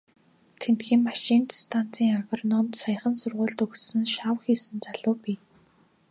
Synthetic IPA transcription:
t̪ʰent̪xiːmmaʃiːnt̪st̪ʰan̥t͡sʰiːŋaɣɔ̆rnɔmt̪saj̆χə̆nsʊrʁʊːɮt̪ɵɣsɘ̆nʃawxiːsɘ̆nt͡saɮʊːpiː

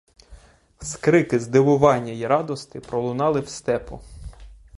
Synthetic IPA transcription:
skɾɪkɪzd̪ɪʋʊʋɑnʲːɐjiɾɑd̪ɔst̪ɪpɾɔlˠʊnɑlˠɪwst̪ɛpɔ

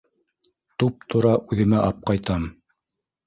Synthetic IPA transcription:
t̪up̚t̪ʰŏɾɑʔʉðɘ̆mæʔɑp̚qɑjt̪ɑm

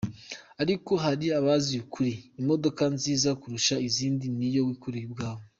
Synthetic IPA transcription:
aɾiko̞ɦaɾiaβazijukuɾiːmo̞do̞kanziːzakuɾuʃaiziːndinijo̞wikuɾijib̚ɡaːβo

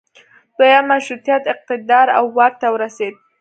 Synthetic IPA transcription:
d̪̥ojamaʃɾut̪jat̪ɪq̚t̪ɪd̪ɑɾa̰wːɑɾ̚t̪awəɾased̪̚

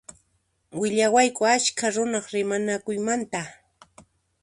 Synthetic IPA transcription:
wɪʎawajkʊat͡ʃkaɾʊnɑχɾɪmanakʊjmant̪a

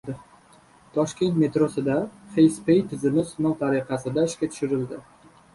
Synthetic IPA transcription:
ɪ | t̪ʰɒʃkʲe̞nt̪me̞t̪ɾosɪd̪aχejspejt̪ʰɪzɪmɪsʊnɒt̪ʰaɾɪqɑsɪd̪aɪʃkʲat̪ʰʊ̥ʃɪɾɪld̪ɪ

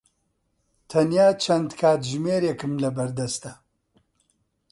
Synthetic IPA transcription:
t̪ʰɐnjaːt͡ʃʰɐnd̪kʰaːt̪ʒmeːɾekɨmlɐbɐɾd̪ɐst̪ɐ

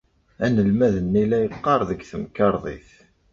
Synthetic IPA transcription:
ænəlmæðənːilæjəqːɑɾˤðəɡθəmkːɑɾˤðˤḭθ

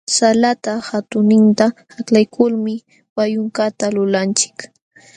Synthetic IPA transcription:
salat̪ahat̪ʊnɪnt̪ahaklajkʰʊlmɪ | wajʊŋkat̪alʊlant͡ʃɪ̥k

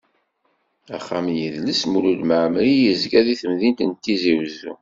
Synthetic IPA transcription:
æ̰χːamjəðləsmulud̪məʕmɾijəzɡæðiθəmðint̪ənt̪ːiziwzːṵ

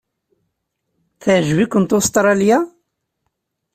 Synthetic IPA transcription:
θəʕʒvikːʊnt̪ust̪ˤɾˤɑlja

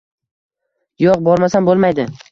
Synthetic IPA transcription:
joq̚bɒɾmasanbolˠmajd̪ɪ

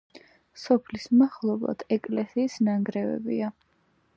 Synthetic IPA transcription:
sɔpʰlismaχlˠɔblˠa̰d̪ʰɛkʼlɛsiːsnaŋɡɾɛvɛ̰bḭa

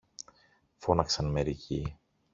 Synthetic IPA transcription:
fo̞nɐksɐnme̞ɾici

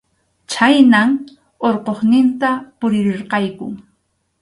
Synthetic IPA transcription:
t͡ʃajnaŋ | oɾqoχnɪnt̪apʊɾɪɾɪɾqɑjkʊ̰

